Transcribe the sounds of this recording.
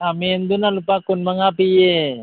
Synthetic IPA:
amend̪unalupakunmaŋapije

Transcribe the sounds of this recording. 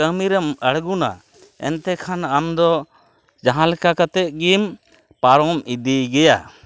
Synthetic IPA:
əmiɾəməɽɡuna̰ | ɛ̰nt̪ɛkʰanamd̪ɔ | d͡ʒaɦãlɛkakat̪ɛt̪̚ɡim | paɾɔmid̪iɡɛja

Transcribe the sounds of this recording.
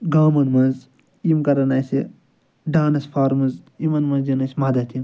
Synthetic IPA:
ɡaːmɐnmɐnz | imkɐɾɐnɐsi | ɖaːnɐsfʰaːɾmɐnzimɐnmɐnzd͡ʒɐnɐsʲmad̪ɐt̪ʰim

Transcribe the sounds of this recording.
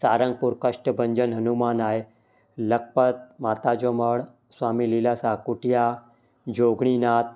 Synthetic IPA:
saɾəŋɡ̚puɾkəʂʈəbəɲd͡ʑənɦənumanaj | lək̚pət̪̚mat̪ad͡ʑoməɽ | sʋamiːlilasakuʈja | d͡ʑoɡɽ̃inat̪̚

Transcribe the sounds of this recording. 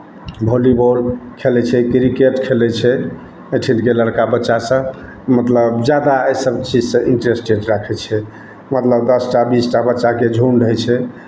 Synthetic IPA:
bʱoliboɾkʰelɛt͡ʃʰɛkɾikeʈkʰelɛt͡ʃʰɛ | eʈʰinkeləɾkabətːʃasə̃ | mət̪ləbd͡ʒjad̪aəjsəb̚t͡ʃid͡ʒsə̃ʔiɳʈɾesʈeɖɾakʰɛt͡ʃʰɛ | mət̪ləbd̪əsʈabisʈabətːʃaked͡ʒʱunɖəɦɛt͡ʃʰɛ

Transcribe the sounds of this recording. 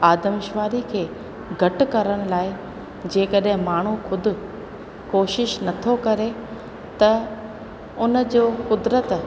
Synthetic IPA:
aːd̪əmɪʃʋaːɾikʰeː | ɡʱɐʈkɐɾəɽ̃ʊ̆laːɪ | d͡ʑeːkəɗɦɪ̃maːɳ̤uxʊd̪ʱʊ̆ | koːʃɪʃnɐt̪ʰokɐɾe | t̪ɐ | ʊnə̆d͡ʑoːkʊd̪ɾət̪

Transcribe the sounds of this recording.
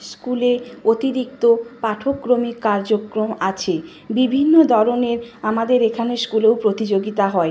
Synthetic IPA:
skuleot̪iɾik̚t̪opaʈʰokːɾomikːaɾd͡ʑokːɾomat͡ɕʰe | bibʱinːod̪ʱɔɾoneɾamad̪eɾekʰaneskulewpɾot̪id͡ʑoɡit̪aɦɔe

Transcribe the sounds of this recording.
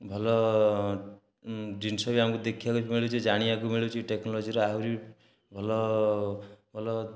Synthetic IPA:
bʱɔlɔ | ɖinsɔbiamkud̪ekʰiakumiɭit͡ʃʰid͡ʒaɽ̃iakumiɭiwt͡ʃʰiʈeknɔlɔd͡ʒiɾɔaɦwɾi | bʱɔlɔ | bʱɔlɔ

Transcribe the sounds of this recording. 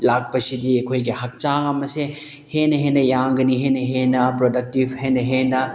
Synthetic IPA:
lak̚pɐsidiɐkʰojɡihɐk̚t͡ʃaɐmɐse | henɐɦenɐjaŋɡɐniɦenɐɦenɐpɾodɐk̚tibʱhenɐɦenɐ

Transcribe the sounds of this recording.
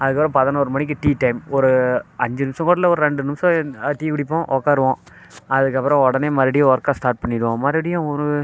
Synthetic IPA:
ɐðɯkːɐpːɾɔ̃pɐðɐnoːɾɯmɐɳɪk̬ːɯʈiːʈɐɪmɔɾɯɐɲd͡ʒɯnɪmsɔ̃koːɽɐlɐɔɾɯɾɛɳɖɯnɪmsɔ̃ʈiːkʊɽɪp̬ːõːʔɔːkːaːɾɯʋõː | ɐðɯkːɐpːɯɾɔ̃ɔɽɐneːmɐːðɪɽɪjʊ̃ɔɾkasʈaːɾʈ̚pɐɳːɪɾɯʋõːmaːɾɪɽɪjʊ̃ɔɾɯ

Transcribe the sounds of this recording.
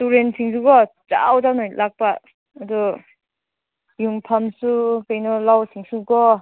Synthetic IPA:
tuɾensʰiŋs̬uɡɔd͡ʒa̰wdanɔjlʔak̚paː | du | juŋpʰamsukajnɔlawsʰiŋsuɡɔ

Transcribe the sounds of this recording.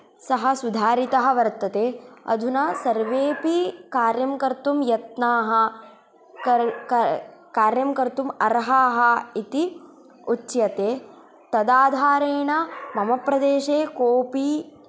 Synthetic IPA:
sɐɦɐsud̪ʱaːɾit̪ɐɦɐ̆ʋɐɾt̪ɐt̪eːɐ̰d̪ʱunɐsɐɾʋeːpikaːɾjɐmkɐɾt̪umjɐt̪naːɦɐ | kɐkkaːɾjɐmkɐɾt̪umɐɾɦaːɦɐit̪i | utːt͡ʃjɐt̪eː | t̪ɐd̪aːd̪ʱaːɾeːɳɐmɐmɐpɾɐd̪eːʃeːkoːpiː

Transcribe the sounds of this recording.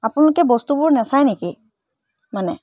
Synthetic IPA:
apʊnalʊkɛbɔstubʊɹnɛsajniki | manɛ

